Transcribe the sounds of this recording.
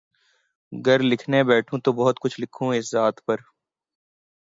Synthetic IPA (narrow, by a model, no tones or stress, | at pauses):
ɡɐɾlɪkʰnebɛːʈʰũt̪obɐɦʊt̪kʊt͡ʃʰlɪkʰũɪszaːt̪ʰpɐɾ